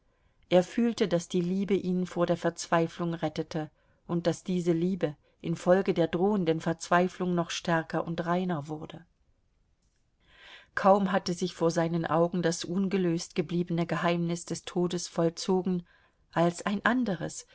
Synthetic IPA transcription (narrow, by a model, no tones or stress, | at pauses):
ʔeːɐfyːltədasd̥iːliːbəʔiːnfoːɐdeːɐfɛɐt͡sv̥aɪflʊŋʁɛtətʰə | ʔʊnt̚d̥asd̥iːzəliːbə | ʔɪnfɔlɡədeːɐdʁoːəndənfɛɐt͡sv̥aɪflʊŋnɔχʃtɛɐkɐʔʊntʁaɪnɐvʊʁdə | kʰaʊmɦatəzɪçfoːɐzaɪnənʔaʊɡŋ̩dasʔʊnɡəløːstɡ̥əbliːbənəɡəɦaɪmnɪsd̥ɛstʰoːdəsfɔlt͡soːɡŋ̩ | ʔalsʔaɪnʔandəʁəs